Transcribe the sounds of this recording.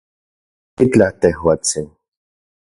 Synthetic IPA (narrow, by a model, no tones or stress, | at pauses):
it͡ɬat̪ehwat͡sin